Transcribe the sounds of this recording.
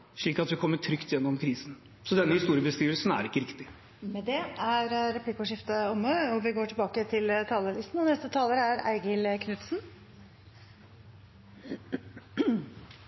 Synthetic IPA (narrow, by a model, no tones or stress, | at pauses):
ʂɭiːkɑt̪ʋɪkʰɔmːəʈʰɾʏkt̪jɛnːɔmkʰɾiːsn | sɔd̪ɛnːəhɪst̪uːɾɪəbəskɾiːʋəl̩sn̩æ̰ɾɪkːəɾɪkt̪ɪ | mɛd̪ɛæɾɾɛpʰlɪkʊʂɪft̪əɔmːəɔʋɪɡoːʈʰɪlbɑːkət̪ʰɪlt̪ʰɑːləlɪst̪n̩ɔnɛst̪ət̪ʰɑːləɾəæɾæ̰ɪɡəlkʰnʉt̪sn